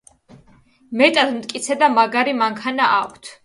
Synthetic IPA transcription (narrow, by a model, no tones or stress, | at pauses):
mɛt̪ʼad̪mt̪ʼkʼit̪sʰɛd̪amaɡaɾimaŋkʰanaakʷʰt̪ʰ